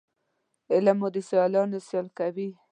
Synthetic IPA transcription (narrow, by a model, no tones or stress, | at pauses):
ɪlamod̪əsjɑlɑnosjɑlkawi